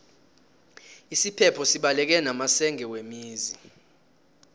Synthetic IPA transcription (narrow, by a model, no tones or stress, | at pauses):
isipʰɛpʰɔsiɓalɛk̬ɛnamasɛŋɛwemiːzi